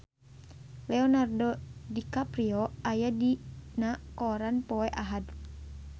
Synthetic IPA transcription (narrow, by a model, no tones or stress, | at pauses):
lɛɔnardɔdikapɾiɔajadinakɔɾanpɔɛʔaɦad